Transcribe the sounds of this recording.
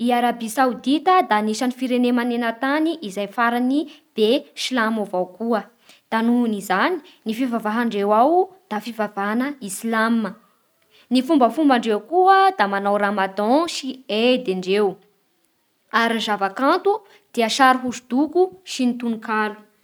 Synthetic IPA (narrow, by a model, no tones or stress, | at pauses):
iaɾabisawud̪it̪əd̪aniʃanifiɾenemanenət̪aniʔizajfaɾanib̥eʃilamovawkuə | d̪̥anunizani̥nifivavaɦaɳɖ͡ʐewawd̪̥afivavaɦanəislamə | nifumbəfumbaɳɖ͡ʐewkuəd̪amanawɾamad̪ɔ̃ʃied̪eɳɖ͡ʐew | aɾinzavakãnt̪u | d̪̥eəʃaɾuɦuzud̪̥ukuʃinit̪unikalu̥